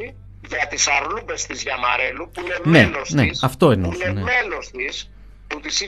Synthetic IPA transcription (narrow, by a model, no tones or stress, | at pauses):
i | ʝɐt̪isɐɾlupe̞st̪izʝɐmɐ̰ɾe̞lupuinemnelosnesɐft̪o̞inenenemelo̞st̪is | put̪isi